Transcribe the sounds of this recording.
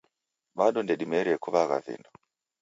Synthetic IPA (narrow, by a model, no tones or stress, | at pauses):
ɓaɗɔndɛɗimɛɾɛkuβaɣa̰vḭndɔ